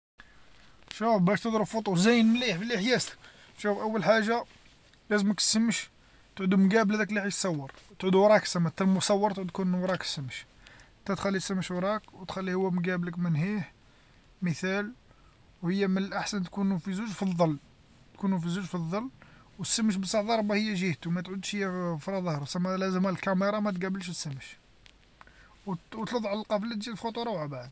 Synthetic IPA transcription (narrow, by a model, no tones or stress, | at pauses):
ʃufbæʃt̪əd̪ˤɾəbfot̪ˤuzæjənmliħbəlʔəħjæsk | ʃufʔəwːəlħaʒːa | læzəməkt̪səmːəʃ | t̪ʕud̪umɡæblæd̪ækliħit̪sˤɑwːɑɾˤt̪ʕud̪uwɾˤɑksəmət̪ːælmʊsˤɑwːɑɾˤt̪ʕud̪kunwɾˤɑksəmːəʃ | t̪æt̪xælːisəmːəʃwɾˤɑkwt̪xælːihʊwːæmɡæbləkmənhiħ | məθæl | whəjːæmənəlʔaħsənt̪kunufizuʒfiðˤːɑlː | t̪kunufizuʒfiðˤːɑlːwəsːəmːəʃ̬bəsˤɑʕd̪ˤɑɾˤbɑhəjːæʒiht̪umæt̪ʕud̪ʃhəjːæfɾˤɑðˤɑhɾˤusæmːælæzəmælkæmɑɾˤɑmæt̪ɡæbəlʃt̪sːəmːəʃ | wwt̪lɑd̪ˤʕləlqɑflːæt̪ʒilfxot̪ˤuɾˤɑwʕabʕd̪